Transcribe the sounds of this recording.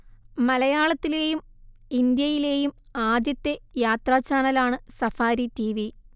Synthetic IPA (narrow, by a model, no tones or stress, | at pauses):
mɐlɐjaːɭɐt̪ːile̞ːjum | ind̪jɐjile̞ːjum | aːd̪jɐt̪ːe̞jaːt̪raːt͡ɕaːnɐlaːɳɨsɐfaːɾitiʋi